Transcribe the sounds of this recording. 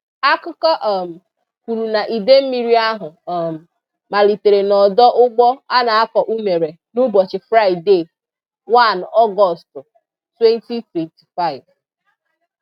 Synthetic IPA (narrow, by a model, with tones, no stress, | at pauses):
a˦kʊ˦kɔ˦ʔɔ˨m̩˨ | kʷu˨ɾu˨na˨ʔi˨de˦m̩˦mi˦ɾi˦a˦ɦʊ˨m̩˨ | ma˨li˨te˨ɾe˨nɔ˨dɔ˦ʔʊ˦ɡ͡bɔ˦a˦na˨a˦kɔ˨ʔu˦me˨ɾe˨ | nu˦bɔ˨t͡ʃɪ˨fɾa˦ɪ˨de˦˨ | wa˦˨nɔ˦ɡɔ˨stʊ˨ | twe˦n˦ti˦twe˨ti̥˨fa˦˨ɪ˨v